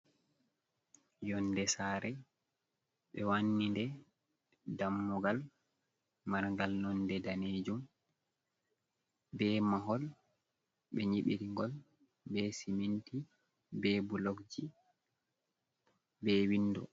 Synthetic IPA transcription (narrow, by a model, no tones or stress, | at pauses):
jɔndɛsaːɾɛ | ɓɛwanːindɛ | damːɔɡal | maɾŋɡalnɔndɛdaneːd͡ʒum | bɛmaɦɔl | ɓɛɲiɓiɾiŋɡɔl | bɛsiminti | bɛbulɔkd͡ʒi | bɛwindɔ̰